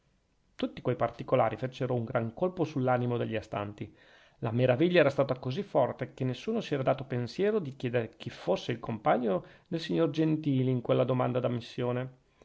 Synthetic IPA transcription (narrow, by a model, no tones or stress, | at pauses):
t̪ut̪ːikwejpart̪ikolaːɾifet͡ʃːeɾouŋɡɾaŋkolposulːaːnimod̪eʎːiast̪a̰nt̪i | lameɾaviʎːaɛːɾast̪aːt̪akozifːɔrt̪ekenːesːuːnosiɛːɾad̪aːt̪opensjɛːɾod̪ikjɛːd̪eɾek̟ʰifosːeilkompaɲːod̪elsiɲːord͡ʒent̪iːliiŋkwelːad̪omand̪ad̪amːisːjoːne